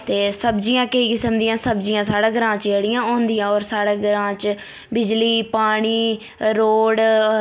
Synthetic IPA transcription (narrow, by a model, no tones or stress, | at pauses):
t̪eːsəbd͡ʒiːãːkəiːkɪsəmd̪ijãːsəbd͡ʒijãːsaːɽãːɡəɾãːt͡ʃəɽɪjãːõːnd̪ɪjãːɔːɾsaːɽaːɡəɾãːt͡ʃ | bɪd͡ʒliːpaːɽ̃iː | ɾoːɽ